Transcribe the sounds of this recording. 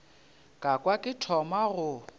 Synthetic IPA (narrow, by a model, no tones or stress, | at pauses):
kʼakʼwakʼɪtʰɔmaɣʊ